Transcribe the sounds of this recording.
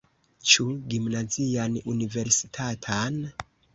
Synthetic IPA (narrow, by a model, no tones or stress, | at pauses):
t͡ʃuɡimnazianunive̞ɾsi̥tʰatʰan